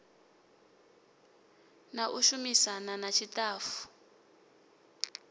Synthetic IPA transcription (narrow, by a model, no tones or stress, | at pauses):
naʔuʃumisananat͡ʃʰitaːfu̥